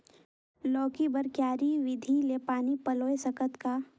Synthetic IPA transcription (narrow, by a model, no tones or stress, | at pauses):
lɔːkibəɾkjaːɾiʋɪd̪ʱilepaːnipɐloːesɐkət̪ka